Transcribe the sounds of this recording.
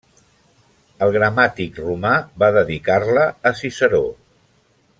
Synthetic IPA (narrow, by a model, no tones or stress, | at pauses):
əlˠɣɾəmat̪ikrumabaðəðikarləːsisəɾo